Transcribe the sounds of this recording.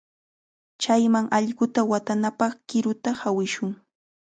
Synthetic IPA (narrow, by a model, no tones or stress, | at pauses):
t͡ʃajmaŋʔɑʎɢʊt̪awat̪anapɑχkɪɾʊt̪ahawɪʃʊŋ